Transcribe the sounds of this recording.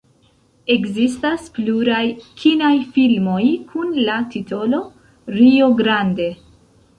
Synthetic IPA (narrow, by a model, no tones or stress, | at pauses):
e̞kzistaspluɾajkʰinajfilmo̞jkʰunlatito̞lo̞ | ɾio̞ɡɾande̞